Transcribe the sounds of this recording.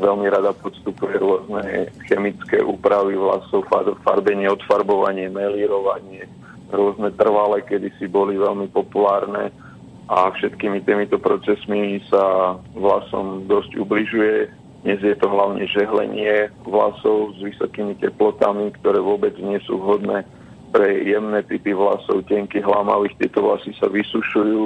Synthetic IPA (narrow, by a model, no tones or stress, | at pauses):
ʋɛlmiɾad̪apɔt̪st̪upujɛɾʊɔznɛxɛmit͡skɛ̰ːʔuːpɾaʋiʋla̰sɔʊfa̰fa̰ɾbɛɲɪɛɔt̪faɾbɔʋa̰ɲɪɛmɛliɾɔʋaɲɪɛ | ɾʊɔznɛt̪r̩ʋalɛkɛd̪isibɔliʋɛlmipɔpulaːɾnɛ | ʔafʃɛt̪kiːmit̪iːmit̪ɔpɾɔt͡sɛsmisaʋlasɔ̰md̪ɔscubliʒujɛ | d̪ɲɛzjɛt̪ɔɦlaʊɲɛʒɛɦlɛ̰ɲɪ̰ɛʋla̰sɔʊzʋisɔkiːmicɛplɔt̪amikt̪ɔɾɛːʋʊɔbɛd͡zɲɪɛsṵːvɦɔd̪nɛː | pɾɛjɛmnɛːt̪ipiʋla̰sɔʊcɛŋkiɦlama̰ʋiːxt̪ɪɛt̪ɔʋlasisaʋisuʃujuː